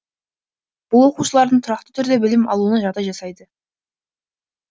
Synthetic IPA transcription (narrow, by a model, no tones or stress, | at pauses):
b̥ʊlˠwo̞quʃəlˠɑɾd̪əɴt̪ʰʊɾɑqt̪ə̥t̪ʰʏɾd̪e̞bɪlɪmɑ̰lˠuənɑʒɑt̪ɑʒɑsɑjd̪ə